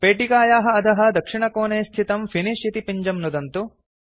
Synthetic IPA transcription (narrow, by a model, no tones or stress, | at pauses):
peːʈikaːjaːɦɐ̆ːd̪ɐɦɐ̆d̪ɐkʂiɳɐkoːneːst̪ʰit̪ɐmfʰiniʂit̪ipiɲd͡ʒɐmnud̪ɐnt̪u